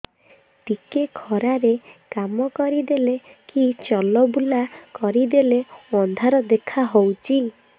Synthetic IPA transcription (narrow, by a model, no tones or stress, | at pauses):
ʈikekʰɔɾaɾekamɔkɔɾid̪elekit͡ʃɔlɔbulakɔɾid̪eleɔnd̪ʱaɾɔd̪ekʰaɦowt͡ʃʰi